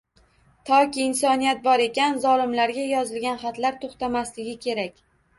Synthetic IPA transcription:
t̪ʰɒkʲiːnsɒnijat̪̚bɒɾe̞kʲanzɒlɪmlaɾɡʲajɒzɪlɡʲanχat̪laɾt̪ʰoχt̪amaslɪɡʲɪkʲʰe̞ɾakʲ

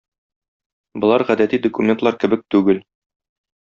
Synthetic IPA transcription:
bŏlˠɑɾʁæd̪æt̪id̪okumʲent̪lˠɑɾkɘ̆bɘk̚t̪ʉɡɘl

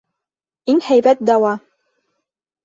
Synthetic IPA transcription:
iŋhæjbæt̪̚d̪ɑwɑ

